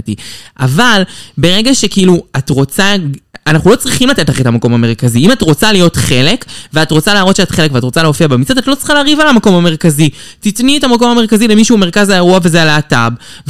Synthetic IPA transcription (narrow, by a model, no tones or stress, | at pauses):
tiavalbe̞ʁe̞ɡaʃe̞kiiluatʁo̞t͡saanaχnulo̞t͡sʁiχimlat̪e̞tlaχe̞tamako̞mame̞ʁkaziimatʁo̞t͡salijo̞tχe̞le̞kveatʁo̞t͡salaːʁo̞t̪ʃeatχe̞lekveatʁo̞t͡saleofiabemit͡sad̪atlo̞t͡sʁi̥χaleaʁivalamako̞mame̞ʁkazi | titnietamako̞mhameʁkazilemiʃuːme̞ʁ̞kazaeʁuave̞zealaaːtab